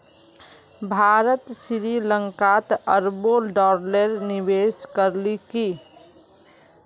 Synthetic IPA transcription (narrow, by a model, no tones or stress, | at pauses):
bʱaːɾət̪sɪɾilə̃ŋkaːt̪əɾboːlɖɔːɾleɾnɪʋeːskəɾliki